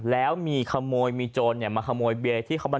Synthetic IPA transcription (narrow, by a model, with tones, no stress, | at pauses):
lɛː˦˥wmiː˧kʰa˧moː˧jmiː˧t͡ɕoː˧nnːi˧˩maː˧kʰa˧moː˧jbe˧t̪ʰiː˥˩kʰa˦wmba˧˩